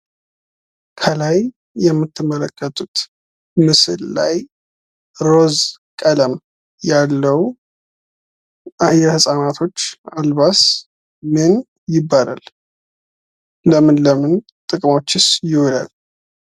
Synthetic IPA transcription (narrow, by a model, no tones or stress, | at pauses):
kʰəlaj | jɛmːɨt̪ʰːɨmːələkʼːət̪ʼut̪ | mɨsɨlla̰j | ɾo̞zkʼələm | jalːəw | jɛhɨsʼanat̪ʰo̞t͡ʃːalbas | mɨn | jɪbːala̰l | ləmɨnləmɨn | t̪ʼɨkʼmo̞t͡ʃːɪsjɪwɔla̰l